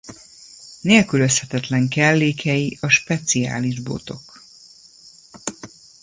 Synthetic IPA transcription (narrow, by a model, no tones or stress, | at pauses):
neːlkyløshɛt̪ɛt̪lɛŋkɛlːeːkʰɛjiɒʃpɛt̪sia̰ːliʒbo̞̰t̪o̞̰k